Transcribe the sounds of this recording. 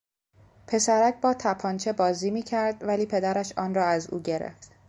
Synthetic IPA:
pʰe̞sæɾæc̚ʰbɒːt̪ʰæpʰɒnt͡ʃʰe̞bɒːziːmiːcʰæɾd̪væliːpʰe̞d̪æɾæʃɒːnrɒːæzṵːɟe̞ɾḛft̪

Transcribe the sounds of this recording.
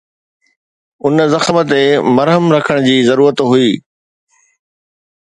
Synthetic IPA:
ʊnzɐxmət̪emɐɾɦəmɾɐkʰəɽ̃d͡ʑiːzɐɾuːɾət̪ɦuiː

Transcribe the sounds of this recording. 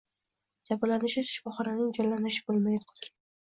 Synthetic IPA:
d͡ʒabalanɪʃɪʃɪfɒχɑɾanɪŋd͡ʒɒlːanɪʃɪ̥bolˠmajd̪qt̪ɪɾ

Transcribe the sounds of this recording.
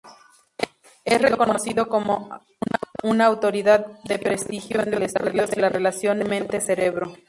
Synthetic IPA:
esreko̞nnosiðo̞ko̞mo | nunaːwt̪o̞ɾiðaðde̞pɾest̪ixjoenɾelest̪uðjozðelare̞lasjo̞nemẽ̞nt̪ese̞ɾeβɾo

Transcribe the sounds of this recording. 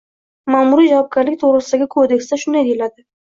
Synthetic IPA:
maːmuɾijd͡ʒavɒb̚ɡʲaɾlɪkʲt̪ʰoʁɾɪsɪd̪aɡʲɪkʰod̪e̞ksd̪aʃʊnd̪ajd̪elad̪ɪ

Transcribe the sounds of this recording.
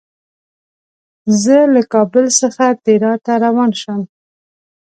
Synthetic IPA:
zəlakɑbəlsəxat̪eɾɑt̪aɾawɑnʃəm

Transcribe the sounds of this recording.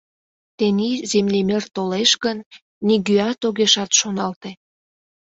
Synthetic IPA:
t̪enizemlemert̪oleʃɣənː | iɣyɑt̪oɣeʃɑt̪ʃonɑlt̪e

